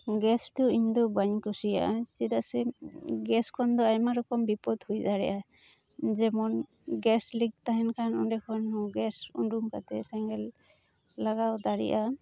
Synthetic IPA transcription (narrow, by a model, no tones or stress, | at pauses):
ɡɛstʊiɲdɔbaɲkɔsija̰sɛdasɛɡɛskʰɔndɔajmaɾɔkɔmbipɔthujzaɹɛ̰jʔa | zɛmɔn | ɡɛsliɡ̚taɦɛnkʰanundɛkʰɔnhɔ̃ɡɛsṵndumka̰tɛsɛŋɡɛlː | aɡawdaɹḭʔa